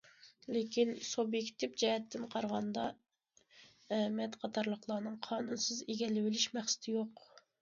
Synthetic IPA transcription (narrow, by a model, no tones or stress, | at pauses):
lekʲinsobjekʲt̪ʰɪpd͡ʒɛɦɛt̪ʰːɪnqʰɑɾʁɑnd̪ɑ | ɛmɛt̪qʰɑt̪ʰɑɾlˠəqlˠɑːnɨŋqʰɑːnunsɨzeɡʲɛlɪwɪlɪʃmæχsɪ̥t̪ʰɪjoq